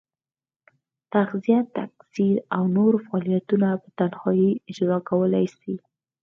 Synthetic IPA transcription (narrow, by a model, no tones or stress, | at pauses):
t̪axzijat̪aksiɾawnoɾfaɑlijat̪unapət̪anhɑjiɪd͡ʒzɑkawəlajsi